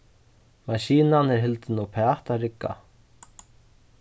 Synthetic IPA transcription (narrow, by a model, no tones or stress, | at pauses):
maʃiːnanɛɾɦɪlt̪ɪnupʰɛaht̪aɾɪkːa̰